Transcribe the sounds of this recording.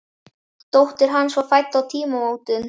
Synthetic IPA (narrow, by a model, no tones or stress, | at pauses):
t̪owht̪ɪɾ̥ɦanːsɔfajt̪ːawt̪ʰiːmaoːwt̪ʏn